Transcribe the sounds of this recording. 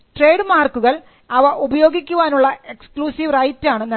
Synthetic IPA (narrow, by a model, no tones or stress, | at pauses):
ʈre̞ːɖmaːrkːuɣɐɭ | ɐʋɐʔubɐjoːɡikʲːuʋaːnuɭːɐekskluːsiʋrɐjtːaːɳɨnɐ